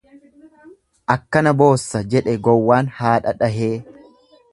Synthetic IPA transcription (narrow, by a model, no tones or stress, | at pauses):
ʔɐkːɐnɐbo̞ːsːɐd͡ʒɛᶑɛɡɔwːaːnhaːᶑɐᶑɐɦeː